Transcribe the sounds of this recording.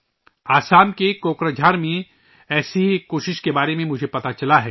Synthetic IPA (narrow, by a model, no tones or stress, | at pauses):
aːsaːmkekoːkɾad͡ʒʱaːɾmẽ | ɛːsikoːʃɪʃkebaːɾemẽmʊd͡ʒʱepɐt̪at͡ʃɐlaɦɛː